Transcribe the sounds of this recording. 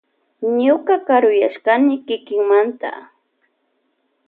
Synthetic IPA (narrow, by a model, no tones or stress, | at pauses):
ɲʊkakaɾʊjaʃkanɪkɪkɪŋmant̪a̰